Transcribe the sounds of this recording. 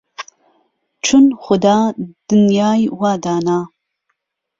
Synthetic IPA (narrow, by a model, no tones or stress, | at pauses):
ʈ͡ʂʰɨnχʷʊd̪aːd̥ɨnjaːjwaːdaːnaː